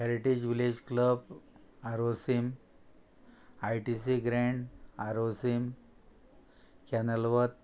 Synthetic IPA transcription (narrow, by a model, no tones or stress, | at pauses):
ɦɛɾiʈid͡ʑʋiled͡ʑkləbaɾosim | ajʈisiɡɾẽɳɖaɾosim | kɛnəlʋət̪̚